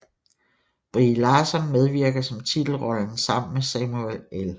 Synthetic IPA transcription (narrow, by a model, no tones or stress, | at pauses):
b̥ʁilɑːsɒ̽nmeð̞ˠʋiɐɡ̥ðsɒ̽mt͡sʰid̥l̩ʁɒ̽ln̩sɑ̈m̰nmesɛmuelel